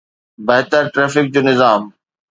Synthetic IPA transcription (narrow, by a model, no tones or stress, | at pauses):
bɐɦt̪əɾʈɾeːfɪk̚d͡ʑoːnɪzaːm